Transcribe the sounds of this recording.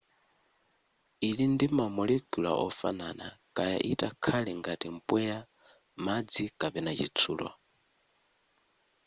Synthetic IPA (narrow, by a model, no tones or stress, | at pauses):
ilindimamɔlɛkula̰ʔɔ̰fa̰nana̰kʼaja̰ʔitʼakʰalɛŋɡatim̩pʼwɛja | mad͡zikʼapɛnat͡ʃit͡sʰuːlwa̰